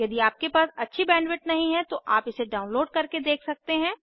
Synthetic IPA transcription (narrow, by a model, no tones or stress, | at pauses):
jɐd̪iaːp̚kepaːsɐtːʃʰibɛ̃ːnʋɪʈ̚nɐɦĩɦɛ̃t̪oʔaːpɪseɖaːʊnloːɖkɐɾked̪eːkʰsɐk̚t̪eɦɛ̃ː